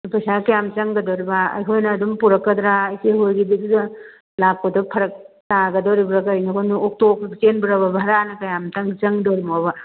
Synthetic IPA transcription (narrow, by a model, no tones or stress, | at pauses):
pʰɐsakɐjamt͡ʃɐŋɡɐdoɾibaɐ̰jkʰojnɐːdumpuɾɐkːɐdɾaːjseɦojɡibidudɐ | lap̚kodɐpʰɐɾɐk̚ | taɡɐdoɾibɾakɐjnɐkʰonuok̚tokt͡ʃenbɐɾɐbɐbʱaɾanɐkɐjamtɐŋt͡ʃɐŋdoɾimoba